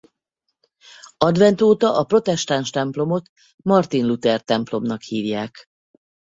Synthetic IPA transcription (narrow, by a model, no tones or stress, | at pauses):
ɒd̪ʋɛnt̪oːt̪ɒʔɒpro̞t̪ɛʃt̪aːnʃt̪ɛmplo̞mo̞t̪ | mɒrt̪inlut̪ɛrt̪ɛmplo̞mnɒkhiːvjaːk